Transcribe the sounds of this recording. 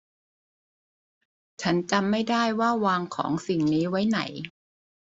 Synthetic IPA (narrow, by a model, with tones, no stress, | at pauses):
t͡ɕʰa˦˥nt͡ɕa˧mːa˥˩jdaː˥˩jwaː˥˩waː˧ŋkʰɔ̰ː˩˦ŋsi˨˩ŋniː˦˥wa˦˥jna̰˩˦j